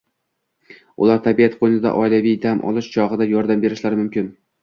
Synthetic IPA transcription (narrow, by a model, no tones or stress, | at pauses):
ʊ̰lˠaɾt̪ʰabijat̪̚qʰojnɪd̪a̰ʔɒjlavijd̪amʔɒ̰lˠɪʃt͡ʃʰɒʁɨd̪ajɒɾd̪ambe̞ɾɪʃlaɾɪmʊmkʲɪn